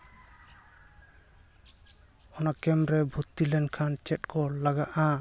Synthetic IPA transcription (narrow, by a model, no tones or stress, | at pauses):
ɔnakɛmɾɛbʱut̪ːilɛnkʰant͡ʃɛt̚kɔlaɡaʔa